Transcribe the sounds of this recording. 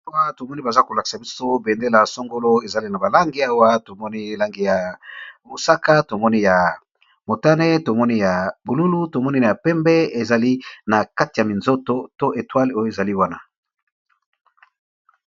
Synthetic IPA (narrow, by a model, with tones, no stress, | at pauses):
wa˦to˨mɔ˦ni˦ba˨za˦ko˨la˨ki̥˨sa˨bi˦so˦be˨nde˦la˨so˦ŋɡo˦lo˦e˨za˨li˦na˨ba˨la˦ŋɡi˦a˦wa˦to˨mɔ˦ni˦˨la˦ŋɡi˦˨ja˨mu˨sa˦ka˦to˨mɔ˦ni˦ja˨ | mo˨ta˦ne˦to˨mɔ˦ni˦ja˨bu˨lu˦lu˦to˨mɔ˦ni˦na˨ja˨pɛ˦mbɛ˦e˨za˨li˦na˨ka˦ti˨ja˨mi˨nzo˦to˦to˦ʔe˨twa˦le˦˨˦e˨za˨li˦wa˦na˦